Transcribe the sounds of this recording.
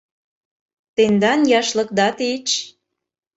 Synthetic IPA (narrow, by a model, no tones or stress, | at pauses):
t̪end̪ɑnjɑʃlɤ̆kd̪ɑt̪et͡ɕ